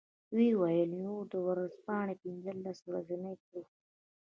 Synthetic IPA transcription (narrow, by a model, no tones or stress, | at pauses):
wiwajəljũd̪əwaɾazpɑːɳepinzəlːaswɾazinajko